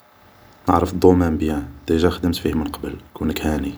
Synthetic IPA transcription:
nə̰ʕɾəfd̪ˤomæmbiæd̪æʒæxd̪əmt̪fihmənqɑbəlkunəkhæni

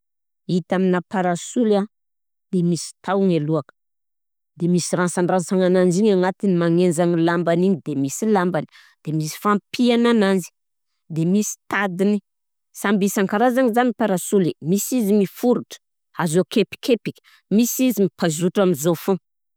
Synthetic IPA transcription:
it̪aminapaɾasula | d̪̥emisi̥t̪awŋeluakə̥ | d̪̥emisirasaɳɖ͡ʐasaŋanand͡ʒiɲaŋat̪inimaŋend͡zaŋilambaniɲid̪emisilambani̥ | d̪̥emisi̥fampʰianananzi̥ | d̪emisi̥t̪ad̪ini | sambisaŋkaɾazanizanipaɾasulimisizimifuɾuʈ͡ʂə̥ | azokepi̥kepikʲə̥ | misizimipazuʈ͡ʂaminzofu

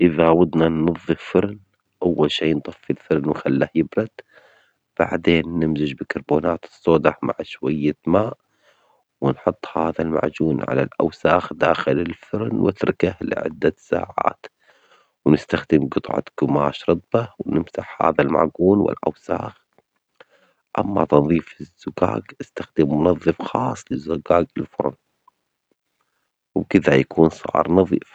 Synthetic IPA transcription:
ʔɪðawad̪nanːɑðˤːɨffɪɾn | ʔawːalʃiːnt̪ˤɑfːilfɪɾnwɪxalːahjɪbɾɑd̪ | b̥a̰ʕd̪eːnːɪmzɪd͡ʒbɪkɑɾˤbuːnaːt̪ɨ̥sˤːoːd̪ɑhma̰ʕʃwajːamaːʔ | wɪnħʊt̪ˤːhaːðalma̰ʕd͡ʒuːnʕa̰la̰lʔa̰wsaːxd̪aːxɪlɪlfɪɾnwɪt̪ɾˤɪkahlɪ̰ʕɪ̰d̪ːasa̰ːʕa̰ːt̪ | wnɪst̪axd̪ɪmɡʊt̪ˤʕɑ̰ɡ̥ʊmaːʃɾˤɨt̪ˤbɑwnɪmsaħha̰ːðalma̰ʕɡuːnwɪ̰lʔa̰wsaːx | ʔamːat̪ɑðˤiːfɪzːʊka̰ːɡʔast̪axd̪ɪmːʊnɑðˤːɨfxɑːsˤːlɪzːʊɡaːɡɪlfʊ̰ɾˤn | wkɪðajakuːnsˤɑ̰ʕ̰ɾˤnɑðˤiːf

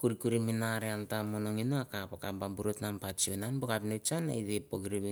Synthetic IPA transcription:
kuɾikuɾiminaɾeantamonoŋinoakapakambambuɾotnampat͡ʃionanbokapnet͡ʃana̰idepoɡiɾiβi

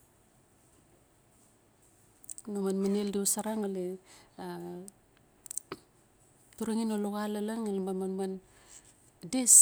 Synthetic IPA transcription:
namanmaneldiusaɾaŋalea | tuɾaŋinoloɣalalaŋalemamanman | des

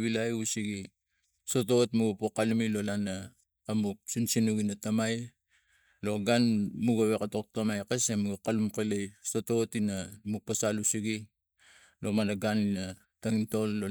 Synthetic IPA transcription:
βilajusiɡi | sototmuɡpokalumilo̞lanaː | musinsinuɡinatamaj | lo̞ɡanmuɡaβekatok̚tamajkesemuɡakalumkelejsototinamuk̚pasalusiɡi | lo̞manaɡanina | taŋinto̞lːo

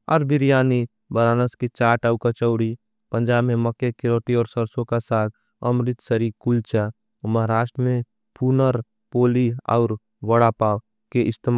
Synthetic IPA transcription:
ɔ̰ːɾbɪɾjaːni | bəɾaːnəskit͡ʃaːʈəwkat͡ʃəʊɽi | pə̃nd͡ʒaːbmẽməkekɪɾoːʈ̪iɔːɾsəɾsõkasaːt̪̚ | əmɾɪt̪səɾikʊlt͡ʃa | məɦaɾaːʃʈɾəmẽ | punəɾ | poːliɔ̰ːɾ | ʋəɽapaː | keʔɪst̪em

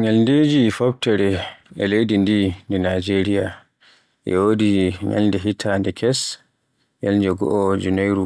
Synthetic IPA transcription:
ɲalnded͡ʒifɔbtɛɾɛɛlejdindindɛnad͡ʒeɾija | ʔɛ̰wodiɲa̰lndɛɦitʰandɛkʰɛs | jalɲd͡ʒɛɡɔ̰ʔɔd͡ʒunajɾu

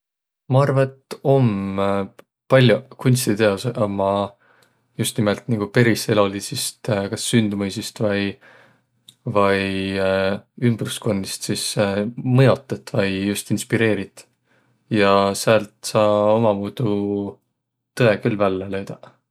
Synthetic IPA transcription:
mɑɑrvɑet̪ːo̞m | pɑlʲːjukunʲst̪it̪eosmɑ | just̪nimelt̪niɡ̥upe̞ɾise̞lo̞lisist̪kɑsːynd̪mɤjsist̪vɑj | vɑj | ymb̥rusko̞nːist̪sismɤjo̞t̪ːˑɑt̪ːˑvɑjjust̪inspiɾe̞ːɾit̪ˑ | jɑsælt̪ˑsɑːo̞mɑmuːd̪̥u | t̪ɤe̞kylːvælːelø̞jd̪̥ɑ

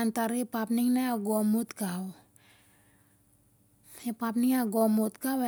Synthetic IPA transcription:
ant̪aɾipapniŋnaaɡɔmut̪kaw | epapniŋaɡomut̪kawe

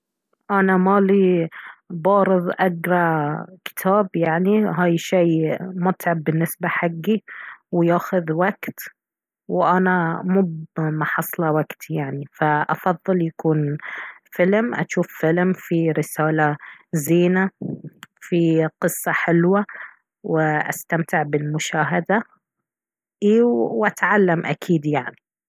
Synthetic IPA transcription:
ʔanamaːli | bɑːɾɨðˤʔaɡɾˤɑkɪ̥t̪ʰaːbjaʕniɦaːjʃeːmʊt̪ʕabːɪnːɪsbaħaɡːiwjaːxʊðwaɡt̪ | wʔanamuːmaħɑsˤlɑwaɡt̪ʰijaʕnifaʔɑ̰fɑðˤːɨljakuːnfɪlmʔa̰ʃuːfːɪlmfiɾɪsaːlaziːna | fiqɨsːɑħɪlwa | wɪʔa̰st̪amt̪ɪʕbɪlmʊʃaːɦad̪a | ʔiːwwʔat̪ʕalːamʔa̰kʰiːd̪jaʕni

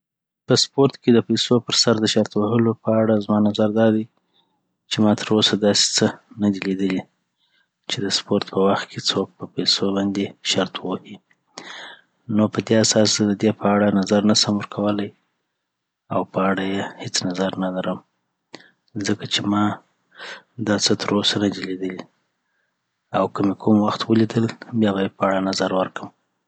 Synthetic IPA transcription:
pəspoɾt̪ked̪əpajsopəɾsaɾd̪əʃaɾt̪woɦəlopəaɽazmɑnazaɾd̪ɑd̪aj | t͡ʃemɑt̪ʰəɾosad̪ɑse̥t͡sənad̪ilid̪əli | t͡ʃed̪əspoɾt̪pəwaxt̪̚kʰet͡sok̚pəpajsobɑnd̪eʃaɾt̪wohi | nopəd̪easɑsd̪əd̪epəaɽanazaɾnasamwəɾkʰawəlaj | awpəaɽajehet͡snazaɾnalaɾəm | zəkat͡ʃemɑ | d̪ɑt͡sət̪əɾosanad͡ʒaled̪əli | awkəmekʰumwaxt̪wəlid̪əlbjɑβajepəaɽanazaɾwəɾkəm

